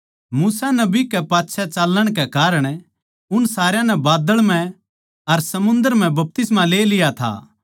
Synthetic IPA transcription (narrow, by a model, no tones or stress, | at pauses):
muːsanɐbikɛpaːtːʃʰɛt͡ʃaːlːəɽ̃kɛkaːɾəɽ̃ | ʊnsaːɾjãnɛbaːd̪əɭmɛ̃ | ɐɾsɐmʊ̃nd̪əɾm̤ɛ̃bɐp̚t̪ɪsmãleːlɪjat̪ʰa̰ː